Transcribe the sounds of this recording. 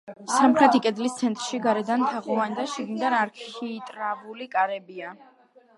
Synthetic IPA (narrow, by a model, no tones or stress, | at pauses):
samχɾɛt̪ʰikʼɛd̪list̪sʰɛnt̪ʼɾʃiɡaɾɛd̪ant̪ʰaʁɔvand̪aʃɛɡnid̪anaɾkʰit̪ʼɾavulikʼaɾɛbia